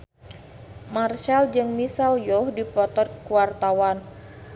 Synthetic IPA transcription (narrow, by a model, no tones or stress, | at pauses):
marʃald͡ʒɨŋmisaljɔhdipɔt̪ɔrkuwart̪awan